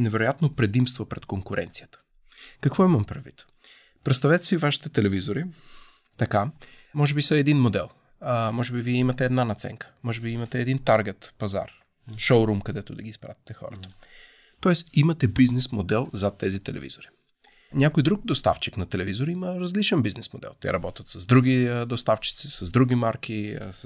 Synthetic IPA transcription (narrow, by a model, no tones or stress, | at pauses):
nɛvɛɾojat̪nopɾɛd̪imst̪vopɾɛt̪koŋkʊɾʔɛ̰nt̪sijət̪ə̥ | kɐkvɔimɐmpɾɛd̪vḭt̪ | pɾɛt̪st̪ɐvɛt̪ɛ̥sivaʃi̥t̪ɛt̪ɛlɛvizoɾi | t̪ɐka | mɔʒɛbisɐɛd̪inmod̪ɛ̰lˠ | mɔʒɛbiviɛimɐt̪ɛːd̪nanɐt̪sɛ̰ŋkə̥mɔʒɛbiimɐt̪ɛːd̪int̪aɾɡʲɛt̪pɐza̰ɾ | ʃowɾumkɐd̪ɛt̪ʊd̪ɐɡʲiːspɾat̪ʲi̥t̪ɛxɔ̰ɾət̪ə̥ | t̪ɔɛsimɐt̪ɛbiznɛsmod̪ɛlˠzɐt̪ːɛzit̪ɛlɛ̰vḭzoɾi̥ | nʲakojd̪ɾuk̚d̪ost̪a̰ft͡ʃiknɐt̪ɛlɛvizoɾiiməɾɐzlit͡ʃɛnbiznɛsmod̪ɛ̰lˠt̪ɛ̰ɾɐbɔt̪ʲət̪sɐzd̪ɾuɡʲid̪ost̪aft͡ʃi̥t̪sisɐzd̪ɾuɡʲimaɾkʲis